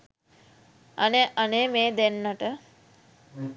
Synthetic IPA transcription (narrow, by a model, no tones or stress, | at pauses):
aneaneːmeːd̪enːaʈə